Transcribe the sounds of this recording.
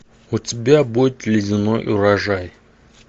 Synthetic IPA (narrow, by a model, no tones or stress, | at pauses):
ʊtʲɪbʲabudʲɪt̪lʲɪdʲɪnojʔʊɾɐʐaj